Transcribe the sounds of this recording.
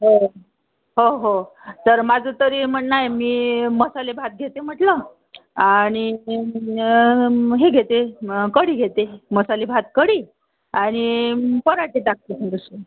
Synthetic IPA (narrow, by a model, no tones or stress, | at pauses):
ɦo | ɦoɦo | t̪əɾmad͡zʱət̪əɾim̤əɳnajmiːməsalebʱat̪̚ɡʱet̪em̤əʈlə | aɽ̃i | ɦeɡʱet̪ekəɽiːɡʱet̪eməsalebʱat̪̚kəɽiː | aɽ̃ipəɾaʈit̪ak̚t̪esəd̪əse